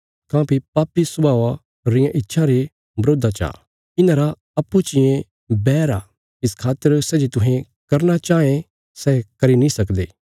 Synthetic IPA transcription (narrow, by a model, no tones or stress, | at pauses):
kãːpipaːpisʊbʱaːʋa | ɾɪjãʔɪtːʃʰãɾe | bɾoːd̪ʱat͡ʃa̰ː | ɪnãːɾa | ɐpːut͡ʃɪẽ | bɛːɾa̰ː | ɪskʰaːt̪ːəɾsɛd͡ʒit̪ʊɦẽ | kɐɾnat͡ʃaːẽ | sɛːkɐɾinĩsɐkd̪eː